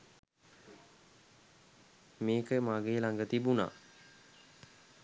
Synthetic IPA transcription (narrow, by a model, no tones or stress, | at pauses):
meːkəmaɡeːlaŋɡət̪ibuna̰ː